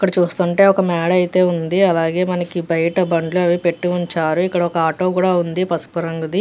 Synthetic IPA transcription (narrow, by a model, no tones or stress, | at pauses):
kːɐɽɐt͡ʃuːst̪uɳʈe̞ːɔkɐmɛːɽɐjt̪e̞ːund̪iɐlaːɡe̞ːmɐnɐkibɐjɐʈɐbɐɳɖluɐʋipe̞ʈːiuɲt͡ʃaːɾuikːɐɽɐɔkɐaːʈo̞ːkuːɽaːund̪ipɐspɐɾɐŋɡud̪i